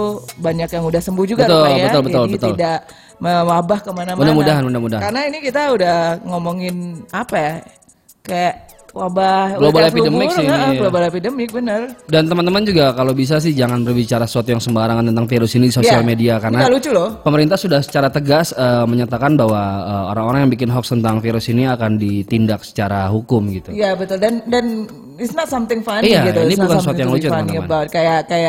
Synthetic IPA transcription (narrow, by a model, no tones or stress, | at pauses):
baɲakjaŋudahsəmbuhd͡ʒuɡbəat̪ʊljbət̪ʊlbəʊlt̪bət̪ʊildaʔ | məwabahkəmanamudamudaɦanmudamudaɦakaɾənainikit̪audahŋomoŋɪnapaja | kajaʔ | wabahɡlobalepidəmɪksiɡlobalepidəmɪk̚bənərdant̪əmant̪əmand͡ʒuɡakalowbis̬as̬ɪhd͡ʒaŋanbərbit͡ʃaɾasəsuat̪ujaŋsəmbaɾaŋant̪ənt̪aŋfiɾʊsinidisosialmediakarnaalut͡ʃʊlopəməɾint̪asudahsə̥t͡ʃaɾat̪əɡasəməɲat̪akanbaɦwaəːoɾaŋoɾaŋjaŋbikɪnɦɔkst̪ənt̪aŋfiɾʊsiniakandit̪indaksə̥t͡ʃaɾaɦukʊmɡit̪ujabət̪ʊldandan | isnasamt̪ɪŋfanijait̪inibukanssuat̪ujaŋlut͡ʃʊtəmnm̰nbaət̪̚kajakaja